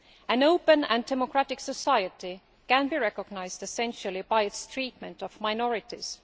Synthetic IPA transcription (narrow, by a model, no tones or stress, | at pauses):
æ̃noʊpə̃næ̃ndɛmɔkʰɹ̥atɪksəsaɪəti | kæ̃nbiɹɛkɔɡ̚naɪzdɛsɛ̃nʃəlˠibaɪɨtstʰɹ̥iːt̚mə̃ntɔvmaɪnɔɹɪtḭz̥